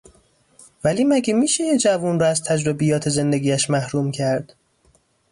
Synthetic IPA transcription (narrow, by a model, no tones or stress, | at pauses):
væliːmæɟemiːʃejed͡ʒævunrɒːæzt̪ʰæd͡ʒɾobijɒːt̪ʰe̞ze̞nd̪eɡʲiːæʃmæhɾuːmcʰæɾd̪̥